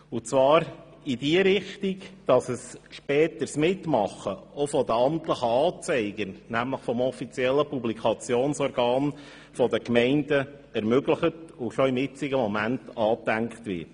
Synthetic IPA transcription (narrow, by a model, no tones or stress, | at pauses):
ʊt͡sʋɑːɾ | id̥iəɾɪχtikd̥ɑsəsʃpɛːtəɾsmɪtmɑχəɔfɔdəɑmtləχəɑːt͡sɛɪɡ̥ənæmləχfɔmɔfit͡sjɛlːəpublikʰɑt͡sjoːnsɔɾɡ̥ɑːn | fɔdəkmɛɪndə | ɛɾmøɡləχətʊʃɔɪmɪt͡sɪɡəmɔmæntɑːtæŋkχtʋɪ̰t